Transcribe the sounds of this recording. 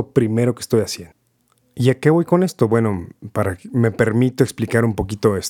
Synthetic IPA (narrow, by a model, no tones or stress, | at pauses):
opɾime̞ɾo̞ke̥st̪o̞jasjen | iake̞βo̞jko̞ne̞st̪o̞bwe̞no̞paɾame̞pe̞ɾmit̪oeksplikaɾumpo̞kit̪o̞es